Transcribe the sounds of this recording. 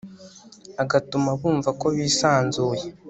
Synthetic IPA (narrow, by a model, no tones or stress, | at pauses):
aɡatumaβuːɱvako̞βiːsaːnzuːje